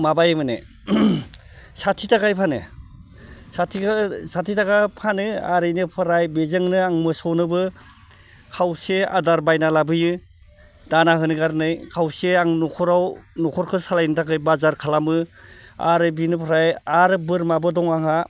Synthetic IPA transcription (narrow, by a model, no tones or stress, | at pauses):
mabajɯmɯnɯ̰ | satʰitʰaɡajpʰanɯ̰ | satʰisatʰitaɡapʰanɯaɾɯjnɯpʰɯɾajbezɯŋnɯaŋmɯsɔwnɯbɯ | kʰawsea̰daɾbajnalabɯjɯ | danaɦɯnɯɡaɾnɯjkʰawseaŋnɔkʰɔɾawnɔkʰɔɾkʰɯsalajnɯtʰakɯjbazaɾkʰalamɯa̰ɾɯbinɯpʰɐɾajaɾɯbɯɾmabɯdɔŋaŋa